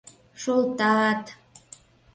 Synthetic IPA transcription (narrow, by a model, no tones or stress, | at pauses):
ʃolt̪ɑɑt̪